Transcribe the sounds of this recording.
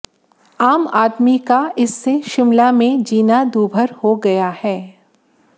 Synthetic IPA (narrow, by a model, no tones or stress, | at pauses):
aːmaːd̪mikaɪsːeʃɪmlamẽd͡ʒiːnad̪uːbʱəɾhoɡɐjahɛː